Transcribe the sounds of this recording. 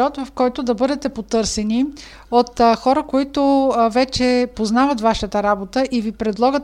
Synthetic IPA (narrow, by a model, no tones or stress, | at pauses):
ɔt̪vɐfkɔjt̪ʊd̪ɐbɤd̪ɛt̪ɛpot̪ɤɾsɛni | ot̪xɔɾəkoit̪ʊvɛt͡ʃɛpoznavət̪vaʃət̪əɾabot̪əʔivipɾɛd̪lˠɔɡət̪